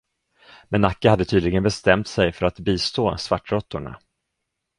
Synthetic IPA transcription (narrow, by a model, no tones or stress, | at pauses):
mɛnːakːəhad̪ːət̪ʰyːd̪lɪɡənbɛst̪ɛmt̪sɛjfœɾat̪biːst̪oːsvaʈːɾɔt̪ːʊɳa̰